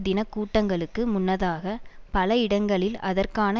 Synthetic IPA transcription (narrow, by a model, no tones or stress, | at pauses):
d̪ɪnɐkːuːʈːɐŋɡɐɭɯkːɯmʊnːɐðaːɣɐpɐlɐɪɽɐŋɡɐɭɪlɐðɐrkaːnɐ